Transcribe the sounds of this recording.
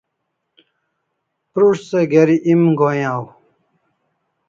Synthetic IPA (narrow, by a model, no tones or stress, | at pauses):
pɾuʂseɡeɾiʔimɡojãw